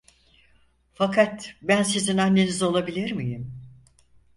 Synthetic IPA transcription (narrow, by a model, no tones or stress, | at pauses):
fakʰat̪bænsizinanːe̞nizo̞lˠabilʲiɾmijim